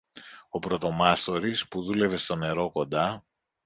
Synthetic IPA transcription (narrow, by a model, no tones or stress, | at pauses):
o̞pɾo̞t̪o̞mɐst̪o̞ɾispuðule̞ve̞st̪o̞ne̞ɾo̞ko̞nd̪ɐ